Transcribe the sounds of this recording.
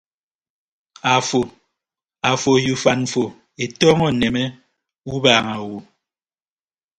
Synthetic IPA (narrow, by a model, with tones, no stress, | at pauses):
a˨fo˨ | a˨fo˨ju˨fa˨n̩˨fo˨ | e˨tɔ˦ŋɔ˦˨ne˨me˦ | u˦baː˨ŋa˨wu˨